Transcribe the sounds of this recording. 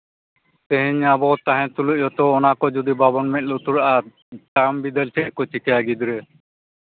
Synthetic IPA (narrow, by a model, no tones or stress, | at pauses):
t̪ɛɦiɲabɔt̪aɦɛ̃t̪uluʔ̚ɔt̪ɔːnakɔd͡ʒud̪ibabɔnmɛt̪̚lut̪uɾaʔa | ʈambid̪ɛlt͡ʃʰɛʔkɔt͡ʃʰikɛjaɡid̪ɾɛ